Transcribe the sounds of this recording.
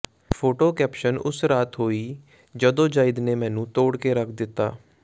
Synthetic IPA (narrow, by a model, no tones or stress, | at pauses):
pʰoːʈoːkɛːpʃənʊ̰sɾaːt̪ɦoːiː | d͡ʒəd̪õːd͡ʒaːɪd̪neːmɛ̃ːnũːt̪oːɽkeːɾəkʰd̪ɪt̪ːa̰ː